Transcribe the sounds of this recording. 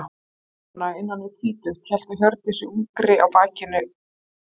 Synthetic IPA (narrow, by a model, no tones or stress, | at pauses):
naɪnːanːɪt̪ʰviːt̪ʏxt̪çɛl̥t̪açœɾt̪ɪsɪuːkɾɪʔawpaːcɪnːʏ